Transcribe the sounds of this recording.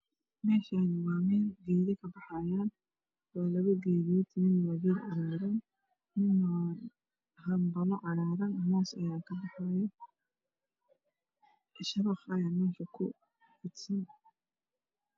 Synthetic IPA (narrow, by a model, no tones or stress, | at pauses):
mɛːʃaːnwɑːmɛːlɡɛːðɐkʰɐbɑħɑjaːn | waːlɐɣɐɡɛːðijɐt̪ʰɪnɪnwɑːɡiːdʕɑɾaːɾɐn | mɪnːɔ | hɐmbɐlɔʔɑɽaːɾɐnɐɦaːsɐ̰jaːkʰɐbɑħɑjɔ | ʃɐβɐχɐjaːmɛːʃɐkʰʊ | fɪd̪sɐn